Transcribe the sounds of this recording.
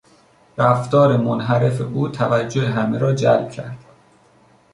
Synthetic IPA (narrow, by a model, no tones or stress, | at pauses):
ɾæft̪ɒːɾemonɦæɾe̞feʔuːt̪ʰævæd͡ʒːoheɦæmeɾɒːd͡ʒæ̰lb̥̚cʰæ̰ɾd̪̥